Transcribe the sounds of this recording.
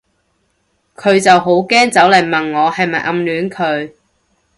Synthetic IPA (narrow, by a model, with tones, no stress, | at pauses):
kʰɵ˨˧ɥt͡sɐ˨wɦo˨˥wkɛː˥ŋt͡sɐ˨˥wlɐ˨˩jmɐ˨nŋɔː˨˧hɐ˨jmɐ˨jʔɐ˧mlyː˨˥nkʰɵ˨˧ɥ